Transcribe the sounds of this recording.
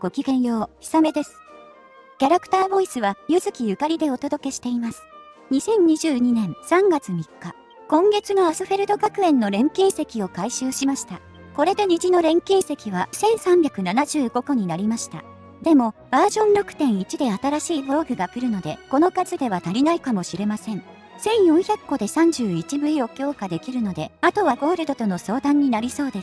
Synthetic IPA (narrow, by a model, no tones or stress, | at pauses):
ɡ̥o̞kʲiɡẽ̞ɰ̃jo̞ːçi̥same̞d̪e̞sɨ̥ | kʲaɾakɯ̥t̪aːbo̞isɨβajɯzɨkʲijɯ̟kaɾʲid̪e̞o̞t̪o̞d̪o̞ke̞ɕi̥t̪e̞imasɨ̥ | ɲ̟isẽ̞ɲ̟ɲiʑɨːɲ̟inẽ̞ɴ̃sãŋɡat͡sɨm̟ikːa | kõ̞ŋɡe̞t͡sɨno̞asɨɸe̞ɾɯ̟d̪o̞kakɯ̟ẽ̞nːo̞ɾẽ̞ŋkʲĩɰ̃se̞kʲio̞kaiɕɨːɕimaɕi̥t̪a | ko̞ɾe̞d̪e̞ɲ̟iʑino̞ɾẽ̞ŋkʲĩɰ̃se̞kʲiβasẽ̞ɰ̃sãmbʲakɯ̟nanaʑɨːɡo̞ko̞ɲ̟inaɾʲimaɕi̥t̪a̰ | d̪e̞mo̞b̥aːʑõ̞nɾo̞kɯ̟̥t̪ẽ̞ɰ̃it͡ɕid̪e̞at̪aɾaɕiːbo̞ːɡɯ̟ɡakɯ̟ɾɯ̟no̞d̪e̞ko̞no̞kazɨd̪e̞β̞at̪aɾʲinaikamoɕiɾe̞masẽ̞ɴ | sẽ̞ɰ̃jõ̞ɰ̃çʲakːo̞d̪e̞sãɲ̟d͡ʑɨːit͡ɕibɯ̟io̞kʲo̞ːkad̪e̞kʲiɾɯ̟no̞d̪e̞at̪o̞βaɡo̞ːɾɯ̟d̪o̞t̪o̞no̞so̞ːd̪ãɲ̟ːinaɾʲiso̞ːd̪es